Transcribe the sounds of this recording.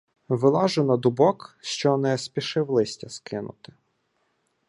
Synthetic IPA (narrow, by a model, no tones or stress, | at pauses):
ʋɪlˠɑʒʊnɐd̪ʊbɔkʃt͡ʃɔnɛspʲiʃɪwlˠɪsʲtʲɐskɪnʊ̰t̪ɪ̥